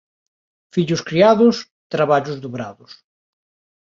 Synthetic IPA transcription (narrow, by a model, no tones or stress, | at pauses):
fiʎʊskɾiaðʊs | t̪ɾaβaʎʊzðoβɾa̰ðʊs